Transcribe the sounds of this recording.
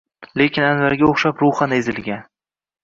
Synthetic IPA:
le̞kʲʰɪnanvaɾɡʲaoχʃapɾʊχanezɪlɡʲan

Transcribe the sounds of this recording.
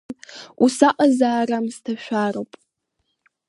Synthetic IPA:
usaʔɐzaːramstʰɐʃᶣʷaːropʼ

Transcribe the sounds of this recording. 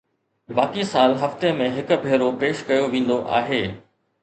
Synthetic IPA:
baːkisaːlɦɐft̪emẽɦɪkʊ̆bʱeːɾopeːʃkɐjoʋĩːn̆d̪oʔa̰ːɦeː

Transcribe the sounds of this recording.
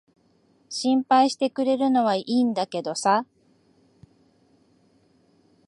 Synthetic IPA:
ɕĩmpaiɕi̥t̪e̞kɯ̟ɾe̞ɾɯ̟no̞β̞aʔiːnd̪ake̞d̪o̞sa

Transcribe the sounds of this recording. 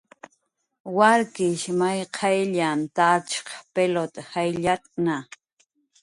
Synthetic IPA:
waɾkɪʃmajqʰɑjʎant̪at͡ʃqpelot̪hajʎat̪ʼna

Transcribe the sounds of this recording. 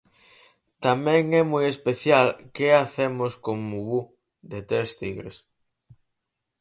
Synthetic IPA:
t̪amɛ̃ŋɛmojespeθjalkeaθemoskoŋmuβu | d̪et̪ɾest̪iɣɾḛs

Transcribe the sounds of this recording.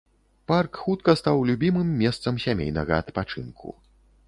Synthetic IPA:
parkxut̪kɐst̪awlʲubʲimɨmːʲɛst̪sɐmsʲamʲḛjnɐ̰ɣɐɐt̪pat͡ʂɨ̰nkʰṵ

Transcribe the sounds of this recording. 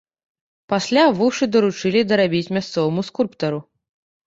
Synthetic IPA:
pasʲlʲavuʂɨd̪ɐɾut͡ʂɨlʲid̪ɐɾabʲit͡sʲmʲast̪sɔvɐmuskulʲpt̪ɐɾu

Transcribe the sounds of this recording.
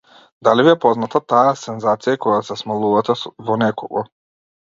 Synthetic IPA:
d̪alibijɛpɔznat̪at̪aasɛnzat̪sijakɔjasɛsmalˠuvat̪ɛvɔnɛkɔɡɔ

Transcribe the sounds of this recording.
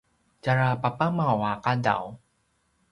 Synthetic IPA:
d͡ʒaɾapapamawakada̰w

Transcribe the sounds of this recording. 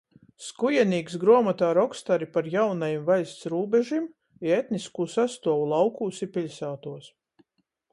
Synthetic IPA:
skujɛniːksɡɾuɔmat̪aːɾɔkst̪aɾipaɾjawnajimvajst̪sɾuːbɛʒim | iet̪niskuːsast̪uɔwulˠɑwkuːsipʲilʲsaːt̪uɔs

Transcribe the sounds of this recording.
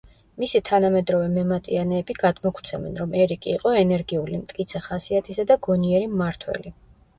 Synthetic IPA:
misit̪ʰanamɛd̪ɾɔvɛmɛmat̪ʼianɛːbiɡad̪̥mɔkʰt̪sʰɛmɛ̰nɾɔmɛɾikʼiːqʼɔɛnɛɾɡiulimt̪ʼkʼit̪sʰɛχasiat̪ʰisad̪aɡɔniɛɾimːaɾt̪ʰwɛ̰li

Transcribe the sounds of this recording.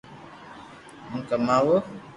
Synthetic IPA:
m̩kəmawo

